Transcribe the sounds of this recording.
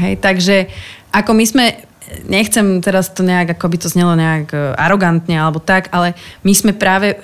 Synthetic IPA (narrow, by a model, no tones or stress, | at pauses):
ɦɛ̰jt̪aɡʒɛʔakɔmizmɛ | ɲɛxt͡sɛmt̪ɛɾast̪ɔɲɛaɡakɔabit̪ɔzɲɛlɔɲɛakʔa̰ɾɔɡant̪ɲɛalɛbɔt̪akalɛmizmɛpɾaːʋɛ